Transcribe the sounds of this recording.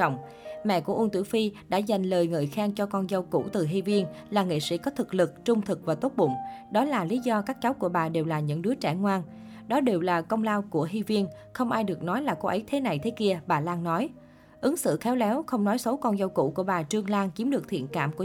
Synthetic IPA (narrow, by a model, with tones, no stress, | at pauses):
wŋ͡m | mɛ̰˧˨ku˧˩əʔu˧nt̪wḭ˧˩wfi˧ɗa̰ː˧˥˩za˨˩jŋ̟ləː˨˩jŋɨ̰ː˨˩jxaː˧ŋt͡ɕɔ˧kɔ˧nzə˧wkṵ˧˥t̪ɨ˨˩ɦi˧vi˧ən | laː˨˩ŋḭ˧˨sḭ˧˥kɔ˨˦t̪ʰɨ˨˩k̚lɨ˨˩k̚t͡ɕʊ˧ŋ͡mt̪ʰɨ˨˩k̚vaː˨˩t̪o˦˥t̚ɓʊ̰˧˨ŋ͡mɗɔ˨˦laː˨˩li˨˦zɔ˧kaː˦˥k̚t͡ɕa˨˦wku˧˩əɓaː˨˩ɗe˨˩wlaː˨˩ɲɨ̰˧˥ŋɗɨ˨˦ət͡ɕɛ̰˧˩ŋwaː˧n | ɗɔ˨˦ɗe˨˩wlaː˨˩kə˧wŋ͡mlaː˧wku˧˩əɦi˧vi˧ən | xə˧wŋ͡mʔaː˧jɗɨ˨˩ək̚nɔ˨˦jlaː˨˩ko˧ʔə˨˦jt̪ʰe˨˦na˨˩jt̪ʰe˨˦ki˧əɓaː˨˩laː˧ŋnɔ˨˦j | ʔɨ˨˦ŋsɨ̰˧˨xɛ˨˦wlɛ˨˦wxə˧wŋ͡mnɔ˨˦jsə˨˦wkɔ˧nzə˧wkṵ˧˩˨ku˧˩əɓaː˨˩t͡ɕɨ˧əŋlaː˧ŋt͡ɕi˨˦əmɗɨ˨˩ək̚t̪ʰḭ˧˨ənka̰ː˧˩mku˧˩˨